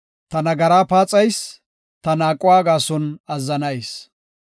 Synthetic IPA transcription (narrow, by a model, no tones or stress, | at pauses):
t̪ɐnɐɡɐɾaːpaːt͡sʼɐjs | t̪ɐnaːkʼːʊwaːɡaːsɔnɐzːɐnɐjs